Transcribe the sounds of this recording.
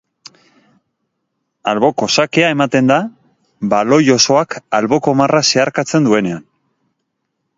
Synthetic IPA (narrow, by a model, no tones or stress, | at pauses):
alβo̞ko̞sake̞ae̞mat̪e̞nd̪a | balo̞jo̞so̞akalβo̞ko̞marase̞aɾkat͡se̞nd̪ue̞ne̞an